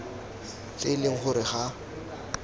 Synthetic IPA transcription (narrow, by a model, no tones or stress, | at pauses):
t͡ɬʼɪlɪŋ̩χʊɾɪχa